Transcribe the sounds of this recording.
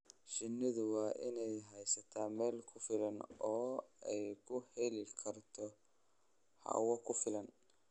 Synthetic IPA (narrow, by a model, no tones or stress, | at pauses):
ʃɪnːɪðʊwɑːʔɪnɛjɦɛjsɐt̪ʰaːmɛːlkʰʊfɪlɐnɔːɛjkʰʊhɛlɪkʰɐrt̪ʰɔ | hɑ̰wɐkʰʊfɪlɐn